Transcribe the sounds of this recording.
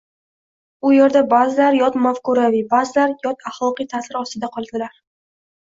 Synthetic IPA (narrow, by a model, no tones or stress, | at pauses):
ʊjeɾd̪abazɪlaɾjɒt̪mafkʊɾavibazɪlaɾjɒt̪ʰaχlˠɒqɨjt̪ʰasɪɾɒst̪ɪd̪aqʰɒlˠd̪ɪlaɾ